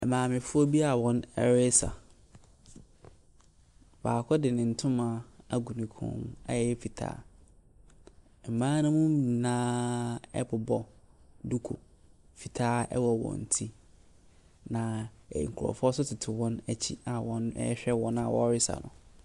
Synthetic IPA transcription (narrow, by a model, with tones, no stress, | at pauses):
ɛ˨mãː˨mɪ̃˨fʊ˦ɔ˦bi˦a˨wɔ̃˦nɛ̰˦ɾɪ˦sa̰˨ | baː˨kʰɔ˦dɪ˨nɪ̃˨n̩˨tʰʊ̃˦mã˨a˦ɡu˨nĩ˨kʰʊ̰̃˦na̰˦jɛ˨˦ɛ˦fi˨tʰa̰ː˦˨ | m̩˨mãː˦nʊ̃˦mʊ̃˦m˦mi˨nãː˦ɛ̰˦pʰʊ˨bɔ˦du˦kʰo̰˨ | fi˨tʰaː˦ɛ̰˦wɔ˨wɔ̰̃˨n̩˨tʰi˦ | nã̰˨ŋ̩˨kʰʊ˨ɾɔ̰˨fʊ˦ɔ˦sʊ˦tʰɪ˨tʰɪ˨wɔ̃˦næ˨t͡ɕʰḭ˦a˨wɔ̃˦nɛ̰˦ɕᶣɛ˦wɔ̃˦na˨wɔ̰˦ɾɪ˦sa̰˨nʊ̰̃˨